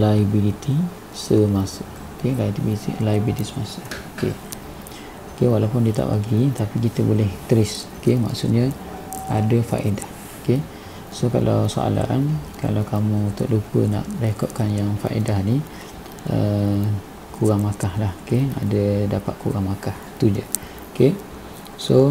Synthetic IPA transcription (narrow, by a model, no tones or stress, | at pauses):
laibilit̪ʰi | səmasə | kelajt̪ibilit̪ḭlajibit̪isəmasə | kḛ | okewalapʊndiət̪a̰ʔpaɡit̪apikit̪əbolɛht̪əɾɪs | kema̰ksut̪̚ɲə | a̰dəfa̰ʔedah | oke | soka̰lawso̰a̰la̰nka̰lawkamũt̪ɔʔlupəna̰ʔdekɔʔ̪̚kanjaŋfa̰ʔḛdahni | ə | kʰuɣaŋmakahlahkea̰dədapat̪̚kʰuɣaŋmakaht̪ud͡ʒə | oke | so